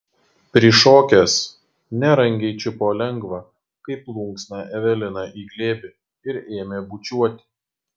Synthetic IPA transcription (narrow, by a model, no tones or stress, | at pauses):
pʲɾʲɪʃoːkʲɛs | nʲɛɾɐŋʲɡʲɛɪt͡ʃʲʊpoːlʲɛŋɡʋɑ | kɐɪplˠʊŋksnɑʔɛʋʲɛlʲɪnɐʔiːɡlʲeːbʲɪ | ɪɾeːmʲeːbʊt͡ʃʲuɔt̪ʲɪ̥